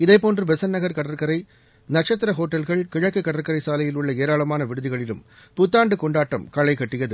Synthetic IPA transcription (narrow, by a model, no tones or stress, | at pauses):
ɪðɐɪpoːndrɯbɛsɐnːɐɣɐɾkɐɽɐɾkɐɾɐɪ | nɐʈt͡ʃɐt̪ːɪɾɐɦoːʈːɐlɣɐɭkɪɻɐkːɯkːɐɽɐɾkɐɾɐɪsaːlɐjɪlʊɭːɐeːɾaːɭɐmaːnɐʋɪɽɯðɪɣɐɭɪlɯ̰m | pʊt̪ːaːɳɖɯkɔɳɖaːʈːɐmkɐɭɐɪkɐʈːɪjɐðɯ